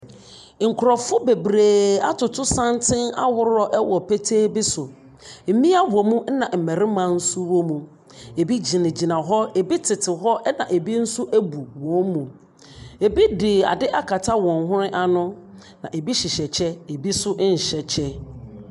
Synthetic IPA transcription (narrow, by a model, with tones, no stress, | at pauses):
ŋ̩˨kʰʊ˨ɾɔ˨fʊ˦be˨bɾeː˨a˦tʊ˨tʰʊ˦sã˦ntʰɪ̃˦na̰˦wʊ˦ɾɔ˨ʔɛ˦wɔ˨pʰe˦tʰeː˦bi˦sʊ˨ | m̩˨mĩ˦a˦wo˨mũ˦n̩˦nã˨m̩˨mɛ̃˨ɾɪ̃˦mã˨n̩˦sʊ˦ɾo˦mũ˨ | e˨bi˦d͡ʑi˨nɪ̃˨d͡ʑi˨nã˨ɦɔ˦e˨bi˦tʰɪ˨tʰɪ˨ɦɔ˦ʔnã̰˨ʔe˨bi˦n̩˦sʊ˦ʔæ˦bu˨wɔ̃˨˦n˦mũ˨ | e˨bi˦dɪ˨a̰˨dɪ˦ʔa˦kʰa˨tʰa˦wɔ̃˨nɦʊ̃˦ɾɪ̃˦ʔa˦˨nʊ̃˦ | nã˨ʔe˨bi˦ɕi˨ɕɛ˨t͡ɕʰɛ˦e˨bi˦sʊ˦ɲ̩˨ɕɛ˨t͡ɕʰɛ˦